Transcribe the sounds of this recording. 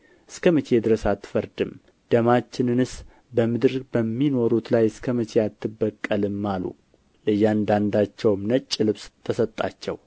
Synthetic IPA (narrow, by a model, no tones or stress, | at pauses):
ʔɨskʰəmət͡ʃʰed̪ɨɾəsat̪ːɨ̥fəɾd̪ɨm | d̪̥əmat͡ʃːɪnɨnɨs | bəmɨd̪ɨɾbəmːino̞ɾut̪lajɨskʰəmət͡ʃʰejat̪ʰːɨbːəkʼːəlɨmːalṵ | lɨjːand̪and̪at͡ʃːɛwmnət͡ʃʼːɪlɨβst̪ʰəsət̪ʼːa̰t͡ʃːɛ̰w